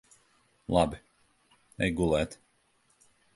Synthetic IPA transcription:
lˠabi | ɛjɡulˠɛːt̪

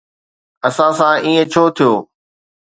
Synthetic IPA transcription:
ɐsãsãːʔiːẽt͡ɕʰoːt̪ʰijoː

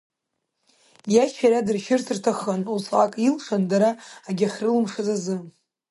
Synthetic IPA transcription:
jaʃʃaɾadɨrʃɪrtʰɨrtʰaχanusakʼilʂandaɾaːɡʲaχʲrɨlɨmʂɨzazɨ

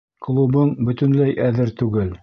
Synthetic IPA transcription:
klˠubɤɴbɵ̆t̪ɵ̆nlæjʔæðɘɾt̪ʉɡɘl

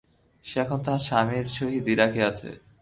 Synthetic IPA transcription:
ʃeɛkʰont̪aʃamiɾʃoɦid̪iɾakeat͡ɕʰḛ

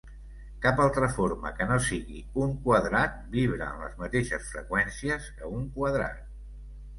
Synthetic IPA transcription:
kapalˠt̪ɾəfoɾmə̰kənosiɣḭ | uŋkwəðɾat̪̚biβɾə̰ːmlə̰zmət̪eʃəsfɾəkwɛnsiəzəuŋkwəðɾa̰t̪̚

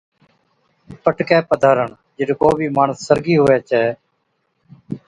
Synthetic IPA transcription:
pəʈkɛːpəd̪ʱaːɾəɳ | d͡ʒɪɖkoːbʱiːmaːɳəsːəɾɡiːɦoːeːt͡ʃɛː

